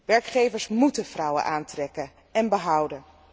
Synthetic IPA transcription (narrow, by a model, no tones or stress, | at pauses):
ʋɛɹkχejvəɹsmutəvrɑwə̰nʔaːntrɛkə | ɛnbəɦʌwdən